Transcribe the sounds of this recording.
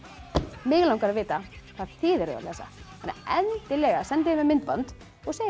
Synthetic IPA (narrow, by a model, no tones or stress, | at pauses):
mɪːɣlawŋkaɾaðvɪːt̪aθaɾ̥θʰɪːðɛɾʏ̰ða̰lɛsa̰hɛnːa̰ɛnt̪ɪlɛːɣasɛnt̪ɪðɪmɛmɪnt̪̚pant̪ | ɔɣseːj